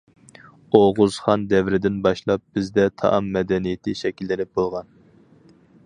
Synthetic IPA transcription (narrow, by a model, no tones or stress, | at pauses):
oʁʊz̥χɑnd̪ɛvɾɪd̪ɪnbɑʃlˠɑp̚b̥ɪzd̪ɛt̪ʰɑ̰ʔɑmːɛd̪ɛnijɪt̪ʰɪʃɛkʲilːɪnɪp̚bolˠʁɑn